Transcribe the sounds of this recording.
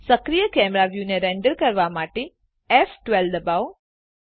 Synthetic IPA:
səkɾijəkɛmɾaʋjuneɾɛ̃ɳɖəɾkəɾʋamaʈe | ɛfʈʋɛld̪əbaw

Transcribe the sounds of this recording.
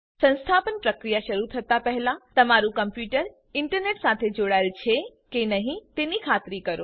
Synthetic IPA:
sə̃nst̪ʰapənpɾəkɾijaʃəɾut̪ʰət̪apəɦɛlãt̪əmaɾũkəmpjuʈəɾ | ɪɳʈəɾneʈsat̪ʰed͡ʒoɽaelt͡ʃʰekenəɦĩt̪enikʰat̪ɾikəɾo

